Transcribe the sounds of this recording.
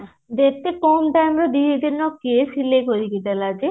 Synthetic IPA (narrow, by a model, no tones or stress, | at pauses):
d̪ek̚t̪ekɔmt̪ajmɾad̪id̪ʱid̪enɔkːeesʰilːekoɾikit̪ɛlad͡ʑe